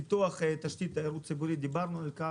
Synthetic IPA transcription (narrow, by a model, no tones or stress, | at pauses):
it̪uɐχet̪ɐʃt̪ʲit̪aeɾut̪̚sibuɾʲid̪ibaɾnualʲka